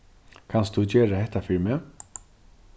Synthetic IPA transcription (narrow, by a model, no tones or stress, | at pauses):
kʰanst̪d̪ud͡ʒɛːɾahɛt̪ːafɪɾmə